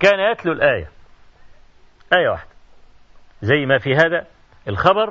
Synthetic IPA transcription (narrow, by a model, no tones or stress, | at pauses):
kæːnæjæt̪lulʔæːjæ̰ | ʔæːjæwa̰ħd̪̥æ | zæjːmæfiːɦæːd̪æ | elxɑbɑɾˤ